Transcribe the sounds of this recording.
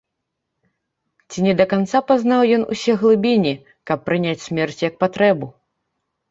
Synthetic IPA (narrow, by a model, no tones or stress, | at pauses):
t͡sʲinʲɛd̪ɐkant̪sapaznawjɔnṵsʲɛɣlˠɨbʲinʲi | kɐpːɾɨnʲat͡sʲsʲmʲɛrt͡sʲjɐk̚pat̪ɾɛbu